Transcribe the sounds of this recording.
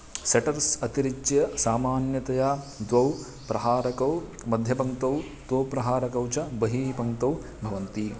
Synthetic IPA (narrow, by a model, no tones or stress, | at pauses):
seʈɐɾsɐt̪iɾid͡ʒjɐsaːmaːnjɐt̪ɐjaː | d̪ʋɐw | pɾɐɦaːɾɐkɐw | mɐd̪ʱjɐbɐŋt̪ɐw | d̪̥ʋɐwpɾɐɦaːɾɐkɐwt͡ʃɐbɐɦiːpɐŋt̪ɐw | bʱɐʋɐnt̪i